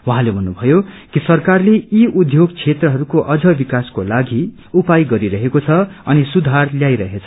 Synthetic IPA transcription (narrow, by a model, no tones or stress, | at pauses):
waɦãlebʱʌnːubʱʌjo | kisʌrkarleiud̪ʱjoɡt͡sʰet̪rʌɦʌɾukoʔʌd͡zʌbikaskolaɡi | upajɡʌɾiɾʌɦekot͡sʰʌʌnisud̪ʱarljajɾʌɦet͡sʰʌ̥